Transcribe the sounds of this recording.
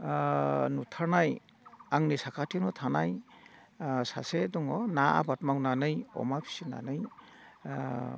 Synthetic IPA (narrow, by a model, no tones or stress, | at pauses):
nutʰaɾnaj | aŋnisakʰatʰinɔtʰanaj | sa̰sedɔŋɔnaa̰batmawnanɯjɔ̰mapʰi̥sina̰nɯj